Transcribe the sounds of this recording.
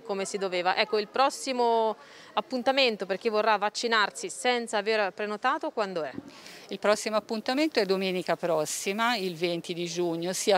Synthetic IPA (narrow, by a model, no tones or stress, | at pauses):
komesid̪oveːvaʔɛkːoilpɾɔsːimo | apːunt̪ament̪operk̟ivːorːavːat͡ʃːinarsisɛnt̪saːverpɾenot̪aːt̪okwand̪oɛilpɾɔsːimoapːunt̪ament̪oɛd̪ːomeːnikapɾɔsːimailvent̪id̪id͡ʒuɲːosia